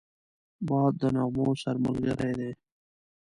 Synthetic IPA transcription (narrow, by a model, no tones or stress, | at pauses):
bɑːd̪̚d̪ənɑːmoːsɐɾməlɡə̰ɾeːd̪eː